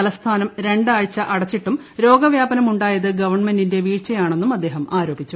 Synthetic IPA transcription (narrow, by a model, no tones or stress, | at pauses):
ɐlɐst̪ʰaːnɐmɾe̞ɳɖaːɻt͡ɕːɐʔɐɽɐt͡ɕːiʈːum | ɾo̞ːɡɐʋjaːbɐnɐmuɳɖaːjɐðɨɡɐʋɐrɳmendinde̞ʋiːrt͡ɕɐjaːɳe̞nːumɐd̪ːe̞ːɦɐmaːɾo̞ːbit͡ɕːu